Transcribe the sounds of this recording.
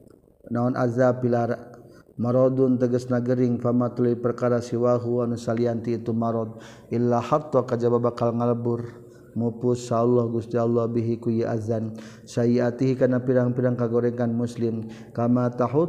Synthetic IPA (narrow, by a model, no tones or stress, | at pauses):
naunʔa̰zapilaɾamaɾɔd̪ʊnt̪əɡəsnaɡəɾɪŋfamat̪uluipərkaɾasiwaɦuanusaliant̪iːt̪umaɾɔd̪̚ | ʔilːahat̪ɔkad͡ʒababakalŋaləbʊr | mupʊsalːɔhɡust̪ialːɔhbiɦikujiʔazan | sajiat̪iɦikanapiɾaŋpidaŋkaɡoɾɛŋkanmuslɪm | kamat̪aɦʊ